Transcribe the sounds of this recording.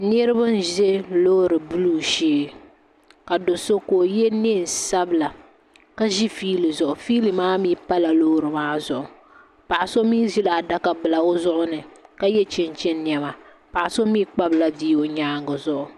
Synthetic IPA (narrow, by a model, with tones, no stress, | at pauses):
ne˦ɾɨ˦bɨ˦n˦ʒe˦loː˦ɾɨ˨bu˦luː˦ʃeː˦ | ka˨do˨so˦ko˨jɛ˦ne˦˨n˨sa˦bɨ˨la˨ | ka˦ʒi˦fiː˦lɨ˨zʊ˨ʔʊ˨fiː˦lɨ˨maː˦miː˦pa˦la˨loː˦ɾɨ˨maː˦zʊ˨ʔʊ˨ | pa˨ʔa˨so˦miː˦ʒi˦la˨da˦ka˨bɨ˨la˨o˦zʊ˦ʔʊ˦nɨ˨ka˦jɛ˦t͡ʃɛ˦nt͡ʃɛ˦nː˦jɛ˨ma˨ | pa˨ʔa˨so˦miː˦k͡pa˦bla˨diː˦o˨ɲaː˦ŋɡɨ˨zʊ˦˨ʔʊ˨